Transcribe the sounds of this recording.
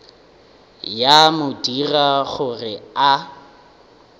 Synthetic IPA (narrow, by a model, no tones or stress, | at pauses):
jamʊdiraɣʊrɪa